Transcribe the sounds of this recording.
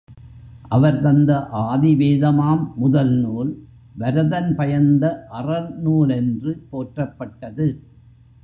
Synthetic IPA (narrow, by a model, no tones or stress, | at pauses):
ʔɐʋɐɾt̪ɐnd̪ɐʔaːðɪʋeːðɐmaːmːʊðɐlnuːl | ʋɐɾɐðɐnpɐjɐnd̪ɐʔɐrɐlnuːɭɛndrɯpoːʈrɐpːɐʈːɐðɯ